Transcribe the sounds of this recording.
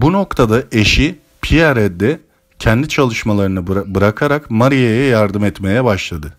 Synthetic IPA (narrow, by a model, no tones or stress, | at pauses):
buno̞kt̪ʰad̪aʔe̞ʃi | pʰiaɾɛd̪ɛ | cʰɛnd̪it͡ʃʰalˠɯʃmalˠaɾɯnɯbɯɾakʰaɾakmaɾijejɛjaɾd̪ɯmɛt̪me̞jɛbaʃlˠad̪ɯ